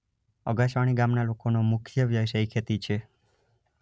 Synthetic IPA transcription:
əɡaʃʋaɽ̃iɡamnalokonomʊkʰjəʋjəʋʃəjkʰet̪it͡ʃʰe

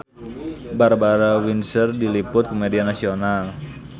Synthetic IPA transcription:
baɾabaɾawinsərdilipʊt̪̚kumedianasional

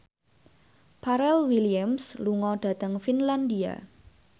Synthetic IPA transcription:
pʰaɾɛlwiliamsluŋɔɖ̪̥ä̤t̪əŋfinland̪ia̰

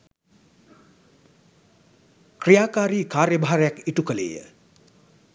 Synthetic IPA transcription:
kɾijaːkaːɾiːkaːrjəbaɦaɾəjakiʈukəlḛːjə̰

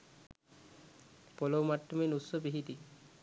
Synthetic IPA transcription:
pɔlowmatːuminusɔbiɦid̪i

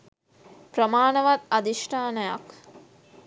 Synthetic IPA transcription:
prəmaːnəʋat̪ad̪iʂʈʰaːnəjak

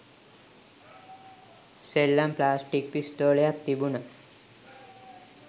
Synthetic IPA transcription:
selːamplasʈik̚pisʈ̪oɭjak̚t̪ibuna

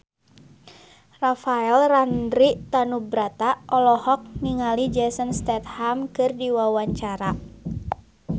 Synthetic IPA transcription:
rafaɛlrandɾit̪anubɾat̪aʔɔlɔhɔk̚niŋalid͡ʒɛsənst̪ɛt̪̚hamkɨrdiwawaɲt͡ʃaɾa

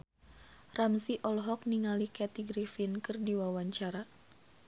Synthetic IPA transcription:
ramsiʔɔlɦɔk̚niŋalikɛt̪iɡɾifinkɨrdiwawaɲt͡ʃaɾa

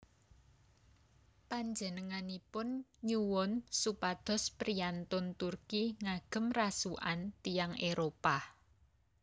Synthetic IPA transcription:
paɲd͡ʒə̤nəŋanipʊnɲuwɔnsupad̪̥ɔ̤spɾijant̪ʊnt̪urkiŋaɡ̥ə̤mrasuʔa̰nt̪ijaŋeɾopa

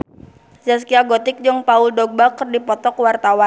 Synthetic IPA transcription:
d͡ʒaskiaɡɔt̪ɪk̚d͡ʒəŋpaʊldɔɡ̚bakərdipɔt̪ɔkwart̪awan

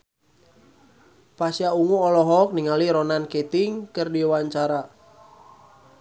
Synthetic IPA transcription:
pasjauŋuɔlɔɦɔk̚niŋaliɾɔnanket̪iŋkərdiwaɲt͡ʃaɾa

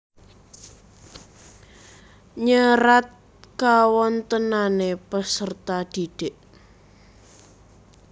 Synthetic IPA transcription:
ɲəɾat̪̚ | kawɔnt̪ənanepəsərt̪ad̪̥iɖ̥eʔ

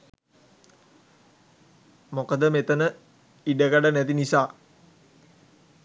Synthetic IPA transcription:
mokəd̪əmet̪ənə | idəkaɖanɛt̪inisa

